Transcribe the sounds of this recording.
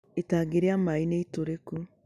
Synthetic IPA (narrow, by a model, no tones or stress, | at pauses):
etaɡeɾeamaineitoɾeku